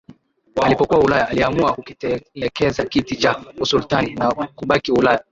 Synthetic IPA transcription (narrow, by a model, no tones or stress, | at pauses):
alipɔkuaulajaaliamuakukikɛzakitit͡ʃamusultaninakuɓakiulaja